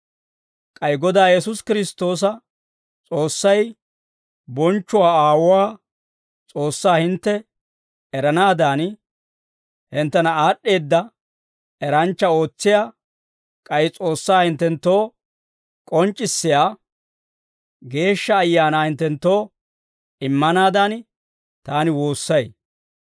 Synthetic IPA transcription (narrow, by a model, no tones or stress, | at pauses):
kʼɐjɡɔd̪aːjɛs̬ʊskɪɾɪst̪ːo̞ːs̬ɐ | t͡sʼo̞ːsːɐj | bɔnt͡ʃːʊwaːaːwʊwaː | t͡sʼo̞ːsːaːhɪnt̪ːɛ | ɛɾɐnaːd̪aːn | hɪnt̪ːɛnɐaːɗːe̞ːd̪ːɐ | ɛɾɐnt͡ʃːɐo̞ːt͡sːɪjaː | kʼɐjɪt͡sʼo̞ːsːaːhɪnt̪ːɛnt̪ːo̞ː | kʼɔnt͡ʃʼːɪsːɪjaː | ɡe̞ːʃːɐːjːaːnaːhɪnt̪ːɛnt̪ːo̞ː | ɪmːɐnaːd̪aːn | t̪aːnɪwo̞ːsːɐj